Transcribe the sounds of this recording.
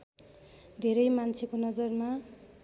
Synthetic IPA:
d̪ʱeɾʌjmant͡sʰekonʌd͡zʌrma

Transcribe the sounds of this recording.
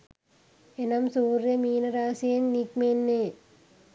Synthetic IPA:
enɐmsuːrjɐmiːnɐɾaːsijɐnnikmenːe

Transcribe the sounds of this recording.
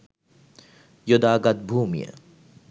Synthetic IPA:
jod̪aːɡɐt̪̚bʱuːmijə̰

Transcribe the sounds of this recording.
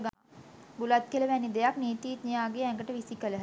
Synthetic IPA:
ɡa | bulat̪̚kieləʋænːid̪ejakniːt̪iːt̪nijaːɡeɛŋɡəʈəʋisikələɦ

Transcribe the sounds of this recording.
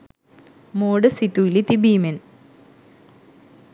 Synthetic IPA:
moːɽɨsit̪ːuilit̪ibiːmen

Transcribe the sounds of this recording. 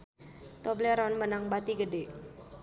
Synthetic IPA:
t̪ɔbleɾɔnmənaŋbat̪iɡəde

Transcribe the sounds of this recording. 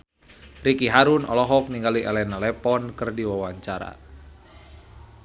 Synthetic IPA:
rikiɦaɾunɔ̰lɔɦɔk̚niŋɡaliʔɛlɛnalɛpɔnkɨrdiwawaɲt͡ʃaɾa̰

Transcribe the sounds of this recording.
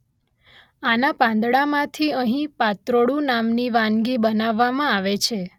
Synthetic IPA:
anapãnd̪ɽamãt̪ʰiəɦĩpat̪ɾoɽũnamniʋãŋɡibənaʋːaʋmãaʋet͡ʃʰe

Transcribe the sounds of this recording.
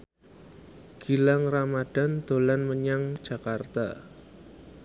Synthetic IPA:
ɡ̥i̤laŋramad̥a̤nd̪̥o̤lanməɲaŋ̥ʒ̥a̤kart̪a̰

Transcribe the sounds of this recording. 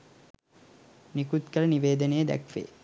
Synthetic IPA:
nikut̪kɐlɐniʋeːd̪ənejəd̪æ̰kʋḛː

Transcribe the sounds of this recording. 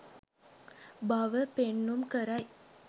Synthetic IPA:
bɐʋəpenːumkəɾɐj

